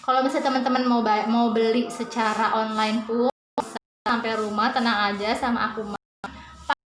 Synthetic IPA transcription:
kalawmisat̪əmənt̪əmənmbmaubəlisət͡ʃaɾaʔɔnlaɪnt̪u | s | sampajɾumaht̪ənaŋad͡ʒasama̰ʔakuma | p

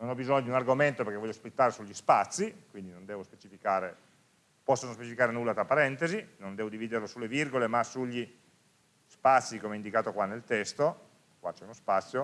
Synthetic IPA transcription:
nonɔbizoɲːod̪iunarɡoment̪operkevɔʎːospit̪ːaːɾesuʎːispat̪sːikwind̪inond̪ɛːvospe̥t͡ʃifikaːɾe | pɔsːonospet͡ʃifikaːɾenulːat̪ɾapaɾɛnt̪ezinond̪ɛːvod̪iviːd̪erlosulːevirɡolemasuʎːi | spat̪sːikomɛind̪ikaːt̪okwanːelt̪ɛst̪o | kwat͡ʃɛunospat̪sːjo

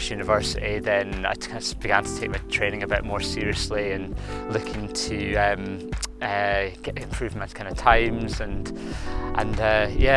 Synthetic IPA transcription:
ʃjʉnɪvɜ˞sɪʔiðə̃na̰ɪ | sb̥ɪɡãntʰə̥tʰek̚maɪtʰɹ̥ẽnɪ̃ŋəbɪʔmɔɹsiɹiəslˠiə̃nlˠʉkʰɪ̃ŋtʰəʌ̃mʌɡ̥ɛʔɪ̃mpʰɹ̥ʉvmətkʰãɪ̃ndə̥tʰãɪ̃mz̥ə̃n | ʔə̃nʌjæ

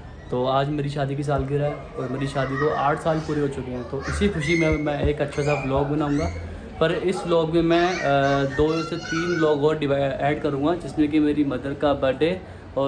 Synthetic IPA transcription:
t̪oːaːd͡ʒmeːɾiʃaːd̪ikis̬aːlɡɪɾɛ | ɔːɾmeːɾiʃaːd̪ikoʔaːʈʰsaːlpuːɾeɦoːt͡ʃʊkeɦɛ̃ːt̪oːʔɪsikʰʊʃimẽmɛ̃eːkɐtːʃʰasablɔːɡ̚bɐnaːũːŋɡaː | pɐɾɪsblɔːɡmẽmɛ̃d̪oːd̪oːset̪iːnblɔːɡɔːɾɖɪʋaɛːɖkɐɾũːŋɡãd͡ʒɪsmẽk̬imeːɾimɐd̪əɾ̚kabɐɖeː | ɔː

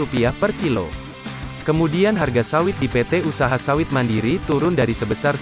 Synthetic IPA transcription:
upiahpərkilo̰ | kəmudianɦarɡasawɪt̪̚dipɛt̪ɛusaɦasawɪt̪̚mandiɾit̪uɾʊndaɾisəbəsar

